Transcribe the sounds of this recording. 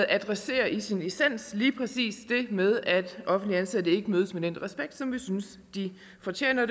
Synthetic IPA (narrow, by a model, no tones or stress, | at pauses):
ð̩ˠʔæd̥ʁɛse̝̰ːɐʔisinisæn̰sliːpʰʁɛsḭːsd̥e̝með̞ˠæd̥ʔɒ̽fn̩d̥liænsæd̥əe̝ɡ̥əmøːð̞ˠəsmed̥en̰ʁɛsb̥eɡ̥̚d̥sɒ̽mʋisyns | d̥i | fɒt͡ɕʰḛːnɐd